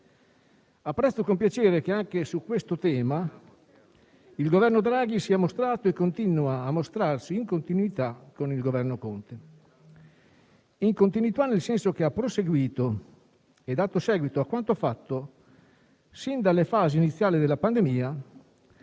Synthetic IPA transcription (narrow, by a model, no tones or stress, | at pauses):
apːɾɛst̪ːokompjat͡ʃeːɾek̟eaŋk̟esukːwest̪ot̪ɛːma | ilɡovɛrnod̪ɾaːɡisiːamost̪ɾaːt̪oekːont̪inuaːmːost̪ɾarsiːŋkont̪inwit̪akːonilɡovɛrnokont̪e | iŋkont̪inuit̪anelsɛnsok̟eapːɾoseɡwiːt̪o | ed̪aːt̪osɛːɡwit̪oakːwant̪oafat̪ːo | sind̪alefaːziːnit̪sːjaːlid̪elapand̪emiːa